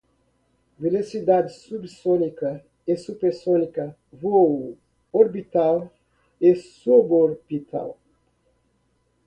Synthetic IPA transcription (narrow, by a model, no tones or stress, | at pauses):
velosid̪ad̪ɪsubsonikɐ | esupeɾsonikɐ | vo | oɾbit̪al | esuboɾpit̪ʰa̰l